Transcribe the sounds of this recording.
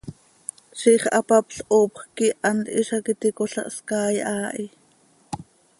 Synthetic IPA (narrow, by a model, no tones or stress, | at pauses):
ʃiχʔɑpɑpɬʔoːpχkiʔɑnt̪ʔiʃɑkit̪ikoɬɑ̰ʔskɑːjʔɑːʔi